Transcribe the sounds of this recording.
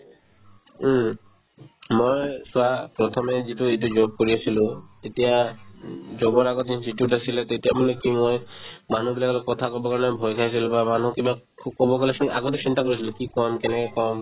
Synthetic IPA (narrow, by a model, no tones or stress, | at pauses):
mojsʊapɹɔt̪ʰɔmɛzituetud͡ʒob̚koɹiasilʊ̃t̪etija | d͡ʒobɔɹaɡɔt̪insitijutasilɛt̪etijamanɛkimojmanubilakɔlɛkɔt̪ʰakɔbɔkaɹɔnɛbʱɔjkʰajs̬ilbamanukiba | kʰkɔbɔkalɛsa̰ɡɔtɛsintakoɹisilukikɔmkɛnɛkɛkɔm